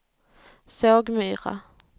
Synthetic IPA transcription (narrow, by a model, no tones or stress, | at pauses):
soːɡmyːʁa̰